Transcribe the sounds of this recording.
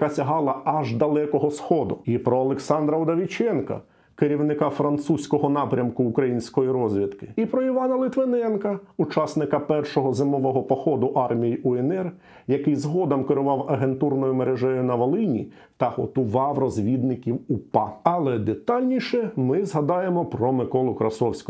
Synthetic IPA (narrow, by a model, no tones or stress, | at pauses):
kɐsʲɐɦɑlˠɐɐʒd̪ɐlˠɛkɔɦɔsxɔd̪ʊipɾɔɐlˠeksɑnd̪ɾɐɔd̪ɐʋʲit͡ʃɛnkɐ̰ | keɾʲiwnɪkɑfɾɐnt̪susʲkɔɦɔnɑpɾʲɐmkʊːkɾɐjinʲsʲkɔjiɾɔzʲʋʲit̪kɪ̥ipɾɔiʋɑnɐlˠɪt̪ʋenɛnkɐut͡ʃɑsnɪkɐpɛrʃɔɦɔzɪmɔʋɔɦɔpɔxɔd̪ʊʔɑrmʲijiʔɔɛnɛr | jɐkɪjzɦɔd̪ɐmkeɾʊʋɑwɐɦe̞nt̪urnɔjʊmeɾeʒɛjʊnɐʋɐlˠɪnʲḭ | t̪ɐhɔt̪ʊʋɑwrɔzʲʋʲid̪nɪkʲiwupɑɐlˠɛd̪et̪ɑlʲnʲiʃɛmɪzɦɐd̪ɑjemɔpɾɔmɪkɔlˠʊkɾɐsɔwsʲkɔ